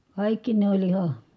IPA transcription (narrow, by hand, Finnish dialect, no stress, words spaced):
kɑˑikːi ne olʲ ihɑ